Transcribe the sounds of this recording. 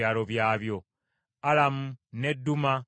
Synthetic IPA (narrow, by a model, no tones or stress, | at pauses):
aːɾoβjaːβjo̞ | alamunedːuma